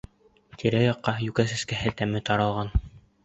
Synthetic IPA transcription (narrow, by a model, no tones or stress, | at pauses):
t̪ʰiɾæjɑqːɑjʉkæs̬ɘ̆skæɦɘt̪æmɘt̪ɑɾɑlˠʁɑn